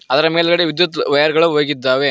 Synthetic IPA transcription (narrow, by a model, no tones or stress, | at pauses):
ɐðɐɾɐmeːlɡɐɽeʋid̪jɐt̪ʋɐjɐɾɡɐɭɐʋoːɡid̪ːaːʋe